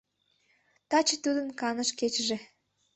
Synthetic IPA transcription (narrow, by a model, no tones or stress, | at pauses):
t̪ɑt͡ɕet̪ud̪ənkɑnəʃket͡ɕəʒe